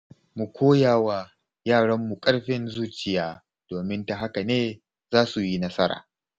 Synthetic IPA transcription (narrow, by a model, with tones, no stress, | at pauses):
mu˨kʷʰoː˦jaː˦˨wa˨ | jaː˦˨ɽɐ˦mːu˨kʼɐ˦ɽɸɪ˦nzuː˦t͡ʃɪ˨jaː˦ | d̥oː˨mɪ˦nta˨ɦa˦ka˨neː˦ | zaː˦su˨ji˦nɐ˦sɐ˦ɾa̰ː˨